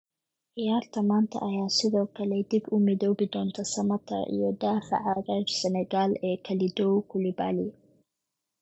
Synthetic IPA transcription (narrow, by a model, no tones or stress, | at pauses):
ʔɪjaːɾt̪ʰɐmaːnt̪ʰɐ̰ʔɐjaːsɪðɔːkʰɐlɛd̪ɪbʊmɪðoːbɪd̪ɔːnt̪ʰɐsɐmɐt̪ʰɐ̰ʔḭjɔd̪aːfa̰ʕaːɾɐɾsɛnɛɡaːlɛːkʰɐlɪd̪ɔwkʰʊlɪba̰ːlɪ